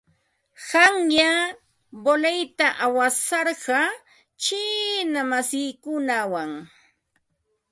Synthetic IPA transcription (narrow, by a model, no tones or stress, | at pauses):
hɑŋja | bolejt̪aʔawasɑɾɢɑ | t͡ʃɪnamasɪjkʊnawaŋ